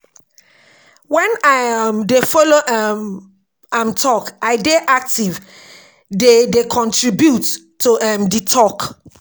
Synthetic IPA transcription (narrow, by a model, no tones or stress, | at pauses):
wɛ̃naamdefoloʔam | ãmtʰɔkaɪdeʔak̚tiv | dedekʰɔ̃ntɹibjutː | uʔɛmditʰɔk